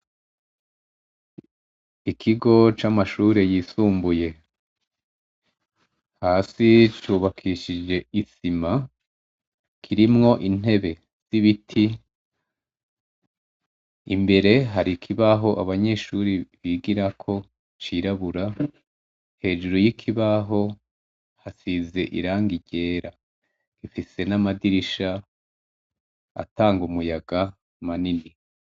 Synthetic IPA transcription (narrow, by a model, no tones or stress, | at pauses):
ikʰiɡo̞t͡ʃamaʃuːɾe̞jiːsuːmbuje̞ | haːsit͡ʃuːβakʰiʃid͡ʒe̞isima | kʰiɾimŋo̞ʔin̥e̞βe̞ | z̥iβitʰi | mbe̞ɾe̞ɦaɾikʰiβaɦo̞ʔaβaɲe̞ʃuɾiβiɡiɾakʰo̞ | t͡ʃiɾaβuɾa | he̞ʒuɾojikʰiβaɦo̞ | hasize̞ʔḭɾaːŋɡiɟe̞ːɾa | ɡ̥ifise̞namadiɾiʃa | a̰taːŋɡumujaɡa | manini